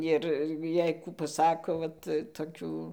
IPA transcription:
ˈɪr ˈjɛɪ ˈkuː pɐˈsɑːkoː ˈʋɐt toːˈkʲuː

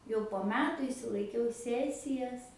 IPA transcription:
jɛʊ poː ˈmʲæːtʊ ɪʃʲsʲɪlˠɐɪˈkʲɛʊ ˈsʲæːsʲɪjɛs

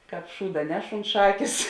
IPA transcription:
ˈkɑːp ˈʃuːdɐ ˈnʲɛʃ ʊnt ˈʃɑːkʲeːs

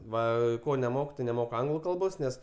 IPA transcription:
ˈʋɐ ˈkoː nʲɛˈmoːkʊ tɐɪ nʲɛˈmoːkʊ ˈɐŋɡlˠʊ ˈkɐlˠboːs ˈnʲɛs

